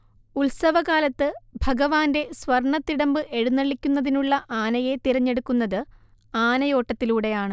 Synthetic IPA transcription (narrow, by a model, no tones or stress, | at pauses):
ulsɐʋɐɣaːlɐt̪ːɨbʱɐɡɐʋaːnde̞sʋɐrɳɐt̪ːiɽɐmbɨʔe̞ɻunːɐɭikʲːunːɐðinuɭːɐʔaːnɐje̞t̪iɾɐɲːe̞ɽukːunːɐðɨ | aːnɐjo̞ːʈːɐt̪ːiluːɽe̞jaːɳɨ